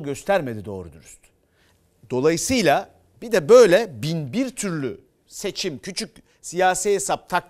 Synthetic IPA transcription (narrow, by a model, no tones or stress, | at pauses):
ɟø̞st̪ʰæɾme̞d̪id̪o̞̰ːɾud̪uɾuz̥t̪ | d̪̥o̞lˠajɯsɯjlˠa | bid̪ɛbø̞jlʲɛbinbiɾt̪ʰyɾlʲy | se̞t͡ʃʰimcʰyt͡ʃʰyc | sijaːsijesap̚t̪ʰak